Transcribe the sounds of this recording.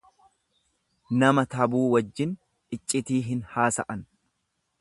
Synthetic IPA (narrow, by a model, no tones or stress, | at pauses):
nɐmɐt̪ɐbuːwɐd͡ʒːɪn | ɪt͡ʃʼːɪt̪iːɦɪnhaːsɐʔɐn